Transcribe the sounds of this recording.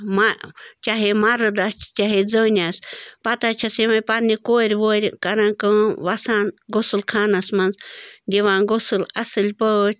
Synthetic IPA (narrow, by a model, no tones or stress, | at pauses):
mat͡ʃaɦemaɾɨd̪ast͡ʃaɦed͡zəɲaspat̪at͡ʃʰasimãpanikoɾʲwoɾʲkaɾãkə̃βasanɡosɨlkʰanasmãnsnd̪ʲiβaŋɡosɨlasɨlʲpə